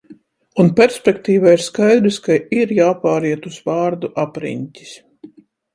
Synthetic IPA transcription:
unpʲɛɾsʲpʲɛkt̪iːvaiɾskajd̪ɾiskaiɾjaːpaːɾiɛt̪uz̥vaːɾd̪uʔapɾḭɲtʲi̥s

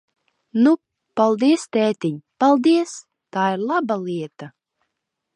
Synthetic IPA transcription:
nu | palˠd̪iɛst̪ɛːt̪ʲiɲpalˠd̪iɛs | t̪aːiɾlˠabalˠiɛt̪a

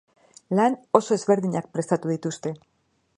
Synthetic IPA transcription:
lano̞so̞e̞zβe̞ɾðiɲak̚pɾe̞st̪at̪uðit̪ust̪e̞

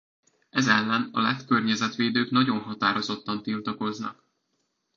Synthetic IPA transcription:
ɛzɛlːɛnɒ̰lɛt̪kørɲɛzɛt̪ʋeːd̪øːknɒɟo̞nɦɒt̪aːɾo̞zo̞t̪ːɒnt̪ilt̪ɒko̞znɒ̰k

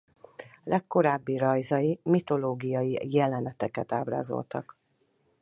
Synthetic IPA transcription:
lʔɛkːo̞ɾaːbːirɒjzɒjimit̪o̞loːɡijɒjijɛlɛnɛt̪ɛkɛt̪aːbra̰ːzo̞̰lt̪ɒ̰k

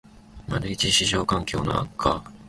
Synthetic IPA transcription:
maɾɯ̟it͡ɕiɕiʑo̞ːkãŋkʲo̞̰ːno̰a̰kʰːa

